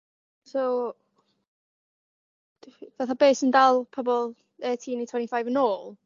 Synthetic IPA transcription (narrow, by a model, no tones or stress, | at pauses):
sow | vaθabeːsəndalˠpʰɔbɔlˠ | ɛtʰiːnitʰw̥ɛ̃ntifajvənoːlˠ